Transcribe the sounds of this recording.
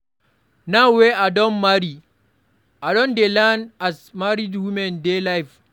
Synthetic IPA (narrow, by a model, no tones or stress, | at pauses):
naweʔadɔmːaɾi | ʔadɔndɛlanasmaɾidwumɛndɛlajf